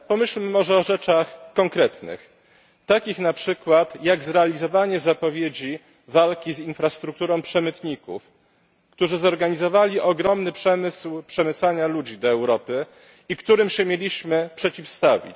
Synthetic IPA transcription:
pɔmɘɕlmɘmɔʐɛɔʐɛt͡ʂaxkɔŋkɾɛt̪nɘ̰x | t̪akʲixnapʂɘkwat̪jaɡzɾɛalʲizɔvaɲɛzapɔvʲjed͡ʑi | valkʲizinfɾast̪ɾuk̚t̪uɾɔ̃w̃pʂɛmɘt̪ɲikṵf | kt̪uʐɘzɔɾɡaɲizɔvalʲiʔɔɡɾɔmnɘpʂɛmɘswpʂɛmɘt̪saɲalud͡ʑid̪ɔɛwɾɔpɘ | ikt̪uɾɘmɕɛmʲjelʲiɕmɘpʂɛt͡ɕifst̪avʲḭt͡ɕ

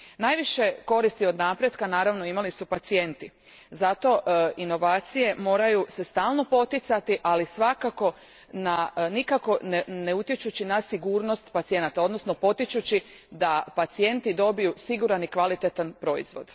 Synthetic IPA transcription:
najʋiʃe̞ko̞ɾist̪io̞d̪napɾje̞d̪kanaːɾaʋno̞imalisupat̪sije̞nt̪i | zat̪o̞ʔino̞ʋaːt̪sije̞mo̞ːɾajuse̞st̪aːlˠno̞po̞t̪it̪sat̪iʔalisʋakako̞ | nanikako̞nene̞ut̪jet͡ʃut͡ɕinasiɡuːɾno̞st̪pat̪sije̞nat̪ao̞d̪no̞sno̞po̞t̪it͡ʃut͡ɕid̪apat̪sije̞nt̪id̪o̞bijusiɡuɾanikʋalit̪et̪anpɾo̞ḭzʋo̞d̪̥

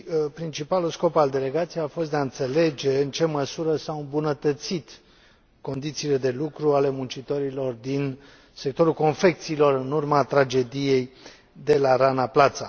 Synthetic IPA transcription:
pɾint͡ʃipalusko̞pald̪e̞le̞ɡat̪sijejafo̞st̪d̪eaɨnt̪se̞le̞d͡ʒe̞ɨnt͡ʃe̞məsuɾəsaɨmbunət̪ət̪sit̪ | ko̞nd̪it̪siːle̞d̪e̞lukɾuale̞munt͡ʃit̪o̞ɾilo̞rd̪in | se̞k̚t̪oɾulko̞nfe̞k̚t̪siːlo̞rɨnurmat̪ɾad͡ʒe̞d̪ije̞j | d̪e̞laɾanaplat̪sa

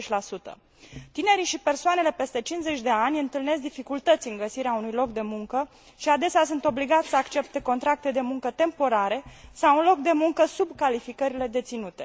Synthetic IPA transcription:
t͡ʃʲlasut̪ə̰ | t̪ine̞ɾiʃipe̞rsoane̞le̞pe̞st̪e̞t͡ʃinze̞t͡ʃʲd̪e̞anʲɨnt̪ɨlne̞s̬d̪ifikult̪ət̪sʲɨŋɡəsiɾeaunujlo̞k̚d̪e̞muŋkə | ʃiad̪e̞seas̬unt̪o̞bliɡat̪sʲsəakt͡ʃe̞p̚t̪e̞ko̞nt̪ɾak̚t̪e̞d̪e̞muŋkət̪e̞mpo̞ɾaɾe̞sawunlo̞k̚d̪e̞muŋkəsubkalifikəɾile̞d̪e̞t̪sinut̪e̞̥

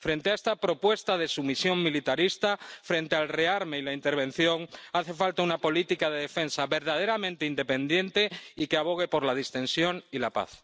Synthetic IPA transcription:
fɾe̞nt̪eaest̪apɾo̞pwe̞st̪að̞e̞sumisjo̞ŋmilit̪aɾist̪afɾẽ̞nt̪ealre̞aɾmeilaint̪e̞ɾβ̞e̞n̟θjo̞ŋaθe̞falt̪aunapo̞lit̪ikaðe̞ðefe̞nsaβe̞ɾð̞að̞eɾamẽnt̪eind̪e̞pẽ̞nd̪je̞nt̪eikeaβ̞o̞ɣ̞e̞po̞ɾlað̞ist̪ẽ̞nsjo̞ŋilapa̰θ

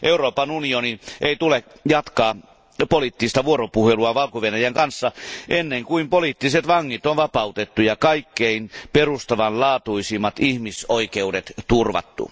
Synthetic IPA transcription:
ʔeuroːpɑnunioniʔeit̪ule | jɑt̪kɑː | poliˑt̪ːist̪ɑʋuoropuheluɑʋɑlkoʋenæjæŋkɑnsːɑʔenːeŋkuimpolit̪ːiset̪ʋɑŋːit̪onʋɑpɑut̪et̪ːujɑkɑikːeinperust̪ɑʋɑnlɑːt̪uisimːɑt̪ihmisoikeudet̪t̪urʋɑ̰t̪ːṵ

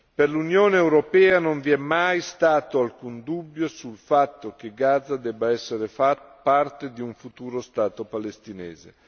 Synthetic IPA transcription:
perlunjoːneːwɾopɛːanoɱviɛmːajst̪aːt̪oalkund̪ubːjosulfat̪ːok̟eɡaːd̪zad̪ɛːbːaɛsːeɾefat̪part̪ed̪iuɱfut̪uːɾost̪aːt̪opalest̪inɛ̰ːzḛ

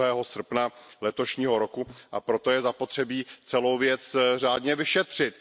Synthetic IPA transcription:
ɦɛːɦo̞sr̩pnalɛt̪o̞ʃɲiːɦo̞ɾo̞kuʔapɾo̞t̪o̞jɛzapo̞t̪r̝̥ɛbiːt͡sɛlo̞wvjɛt͡sr̝aːdɲɛvɪʃɛt̪r̝̥ɪt̪

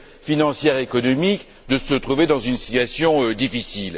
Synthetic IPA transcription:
finɑ̃sjɛʁekɔnɔmik | d̪əsət̪χuved̪ɑ̃zynsi̥t̪ɥasjɔ̃d̪ifisil

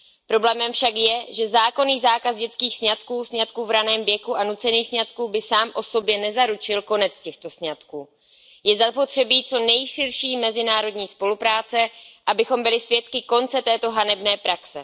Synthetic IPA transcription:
pɾo̞blɛːmɛmfʃakjɛʒɛzaːko̞niːzaːkazɟɛt͡skiːxsɲat̪kuːsɲat̪kuːvɾanɛːmvjɛkuʔanut͡sɛniːxsɲat̪kuːbɪsaːmʔo̞so̞bjɛnɛzaɾut͡ʃɪlko̞nɛt͡scɛxt̪o̞sɲat̪kuː | jɛzapo̞t̪r̝̥ɛbiːt͡so̞nɛjʃɪɾʃiːmɛzɪnaːɾo̞dɲiːspo̞lupɾaːt͡sɛʔabɪxo̞mbɪlɪsvjɛt̪kɪko̞nt͡sɛt̪ɛːt̪o̞ɦanɛbnɛːpɾaksɛ̰

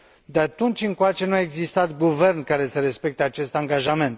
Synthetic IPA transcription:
d̪eat̪unt͡ʃʲɨŋkoat͡ʃe̞nuae̞ɡzist̪at̪ɡuve̞rnkaɾe̞səɾe̞spe̞k̚t̪eat͡ʃe̞st̪aŋɡaʒame̞nt̪

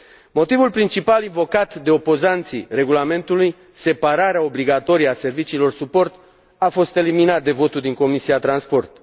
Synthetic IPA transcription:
mo̞t̪ivulpɾint͡ʃipalinvo̞kat̪d̪e̞o̞po̞zant̪sire̞ɡulame̞nt̪uluj | se̞paɾaɾeao̞bliɡat̪o̞ɾijase̞rvit͡ʃiːlo̞rsupo̞rt̪ | afo̞st̪e̞liminat̪̚d̪e̞vo̞t̪uld̪iŋko̞misiat̪ɾanspo̞rt̪

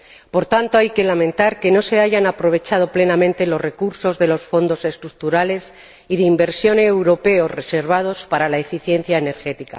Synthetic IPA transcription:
po̞ɾt̪ant̪o̞ajke̞lamẽ̞nt̪aɾke̞no̞se̞aʝanapɾo̞β̞e̞t͡ʃað̞o̞ple̞namẽnt̪e̞lo̞zre̞kuɾso̞zðe̞lo̞sfo̞nd̪o̞se̞st̪ɾuk̚t̪uɾale̞s | iðeimbe̞ɾsjo̞neewɾo̞pe̞o̞sre̞se̞ɾβ̞að̞o̞spaɾalaefiθje̞n̟θjaene̞ɾxe̞t̪ika̰

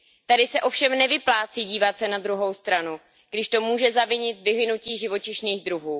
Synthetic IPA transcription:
t̪adɪsɛʔo̞fʃɛmnɛvɪplaːt͡siːɟiːvat̪sɛnad̪ɾuɦo̞wst̪ɾanu | ɡ̥dɪʃt̪o̞muːʒɛzavɪɲɪt̪vɪvɪnuciːʒɪvo̞t͡ʃɪʃniːɣd̪ɾuɦuː

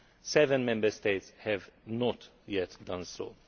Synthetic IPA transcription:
sɛvə̃nmɛ̃mbəst̪eɪt̪shɛvnɔt̪ | jɛt̪d̪ãnsɔ̰

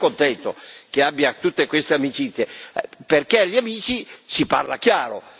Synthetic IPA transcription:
kont̪ɛnt̪ok̟eabːjat̪ut̪ːekwest̪eamit͡ʃit̪sːjeperkeʎːiamiːt͡ʃisipa̰rla̰k̟jaːɾo̰

